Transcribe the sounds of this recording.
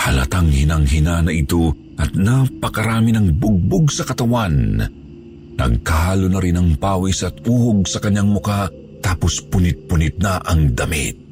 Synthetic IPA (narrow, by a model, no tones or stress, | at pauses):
hɐlɐ̰t̪aŋhɪnaŋɦɪnanɐʔɪt̪o̞ | ʔɐt̪napɐkɐɾaːminɐŋbʊɡ̚bʊɡsɐkɐt̪ɐwan | nɐ̰ɡ̚kahaːlonɐɾɪnɐŋpaːwisɐt̪uːhoɡ̚sɐkɐɲːaŋmʊka | t̪aːpospʊnɪt̪̚pʊnɪt̪̚naʔɐŋd̪ɐmḭt̪̚